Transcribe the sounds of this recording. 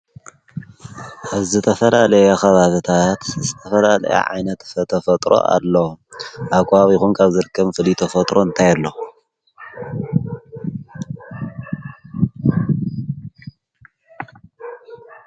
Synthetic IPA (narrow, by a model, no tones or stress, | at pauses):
ʔaβzɨt̪ʰɐfɐlalɐjaxɐβaβɨt̪ʰat̪zɨt̪ʰɐfɐlalɐ̰ja̰ʕa̰jnɐt̪fɐt̪ʰɐfɐt̪ʼɾʔo̞̰ʔa̰lːoʔaβkʰʼaβxunkʰaβzɨɾɨkʰːɐmfɨlit̪ʰɐfɐt̪ʼɾoɨnt̪ʰajalːo